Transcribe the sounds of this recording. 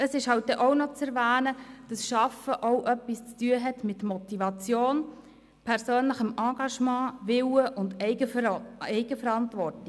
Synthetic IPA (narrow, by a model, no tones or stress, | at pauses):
əsɪʃhɑwt̚d̥ɛʔoʊnɔt͡sɛɾvæːnəd̥ɑsʃɑfəʔoʊʔœpːist͡styəɦɛtmɪtmɔt̪iʋɑt͡sjoːn | pʰɛɾsøːnləχəmɑ̃ːɡ̥ɑʃmɑ̃ːʋɪwəʔʊndɛɪɡəɛɪɡəfəɾɑntʋɔrti